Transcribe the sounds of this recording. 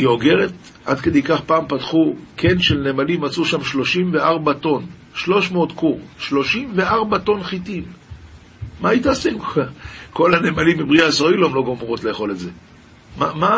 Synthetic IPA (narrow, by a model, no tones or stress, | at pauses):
ioɡe̞ʁet | ʔad̪ked̪ejkaχpaːmpatχukʰe̞nʃe̞lnemalimat͡suʃamʃlo̞ʃimve̞aʁbato̞n | ʃlo̞ʃmeot̪kuʁʃlo̞ʃimve̞aʁbato̞nχitimː | aitasim | ko̞lane̞malimːibʁiaisoiloemlo̞ɡomʁo̞tle̞ːχo̞letze̞ | mama